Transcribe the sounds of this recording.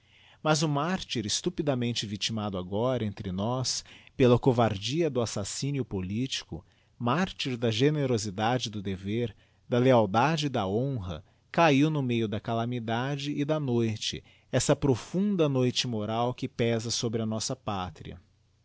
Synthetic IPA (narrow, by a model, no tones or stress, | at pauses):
mɐzʊmaɾt͡ʃiɾɪst̪upid̪ɐmẽnt͡ʃɪvit͡ʃimad̪ʊaɡɔɾɐẽnt̪ɾɪnɔspelɐkovaɾd͡ʒiɐd̪ʊasasĩnjʊpolit͡ʃi̥kʊ̰ | maɾt͡ʃiɾd̪ɐʒeneɾozid̪ad͡ʒɪd̪ʊd̪eveɾ | d̪ɐleawd̪ad͡ʒɪd̪ɐõɦɐ̰ | kaiwnʊmejʊd̪ɐkalɐmid̪ad͡ʒɪʔːd̪ɐnojt͡ʃɪ̰ | ɛsɐpɾofũnd̪ɐnojt͡ʃɪmoɾawkɪpɛzɐsobɾɪɐnɔsɐpat̪ɾḭɐ̰